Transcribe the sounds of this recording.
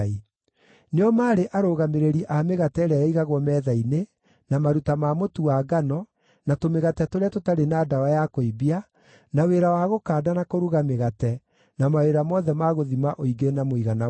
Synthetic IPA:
i | neɔmaːɾeʔaɾoːɣameɾeɾiʔameɣatɛɾajaiɣaɣwɔmɛːðaine | namaɾutamamotuaɡanɔ | natomeɣatɛtoɾeatotaɾenadaajakoibia | naweɾawaɣokaːdanakoɾuɣameɣatɛ | namaeɾamɔðɛmaɣoðimaʔoiɡenamoiɣana

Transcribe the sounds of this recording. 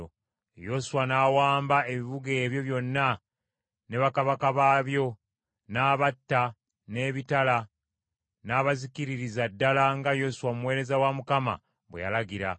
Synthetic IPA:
o | jo̞suwanaːwaːmbae̞βiβuɡeːβjo̞βjo̞nːa | ne̞βakaβakaβaːβjo̞ | naːβatːa | ne̞ːβitala | naːβazikiɾiɾizadːalaŋɡajo̞suwamuwe̞ːɾe̞zawamukama̰ | βweja̰laɡiɾa̰

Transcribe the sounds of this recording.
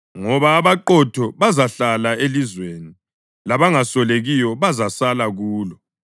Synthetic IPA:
ŋɔβaːβaǃɔtʰɔβazaɬalaelizweːni | laβaŋasɔleɣijɔβazasalaɣuːlɔ

